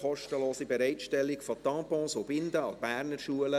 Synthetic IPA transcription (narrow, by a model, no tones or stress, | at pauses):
ɔʃtəloːsibɛɾɛɪtʃtɛlːikfɔtɑ̃ːpɔ̃ːsobɪnd̪əɑb̥æːɾnəɾʃuələ